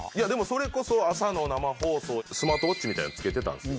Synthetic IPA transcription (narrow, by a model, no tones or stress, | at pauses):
ijad̪e̞mo̞so̞ɾe̞ko̞so̞asano̞namaɦo̞ːso̞ːsɨmaːt̪oot͡ɕ̚t͡ɕimʲit̪a̰ḭnat͡sɨ̥ke̞t̪e̞t̪ã̰nd̪es